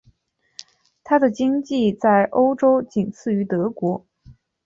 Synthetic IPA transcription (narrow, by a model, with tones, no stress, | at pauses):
t̪ʰa˥d̪ə˨t͡ɕi˥ŋt͡ɕi˥˧t͡sa˥˩ɪʔo˥ʊʈ͡ʂo˥ʊt͡ɕi˨˩nt͡sʰɹ̩˥˩y˧˥t̪ɤ˧˥kwɔ˧˥